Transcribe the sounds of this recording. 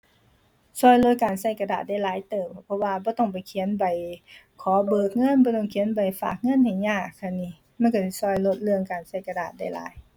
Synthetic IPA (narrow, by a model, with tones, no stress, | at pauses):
sɔː˧˩jlo˧˥t̪̚kaː˨˩nsa˧˩jka˧daː˨˩t̪̚da˧˩jlaː˨˦jt̪ɤː˨˩mpʰɔ˧waː˧bɔː˧˦t̪ɔ˧˩ŋp̬a˨˩jkʰi˨˦ə˦npa˨j | kʰɔː˨˦bɤː˨˩k̚ŋɤ˧˥˨nbɔː˧˦t̪ɔ˧˩ŋkʰi˧˨˦npa˨˩jfa̰ː˨˩k̚ŋɤ˧˥˨nha˨˩jɲaː˧˩kʰa˧˩nːiː˧˩ | ma˧˥˨nkɔ˧˩si˧˩sɔː˧˩jlo˧t̪̚lɯ˧əŋkaː˨˩nsa˧˩jka˧daː˨˩t̪̚da˧˩jla̰ː˨˦j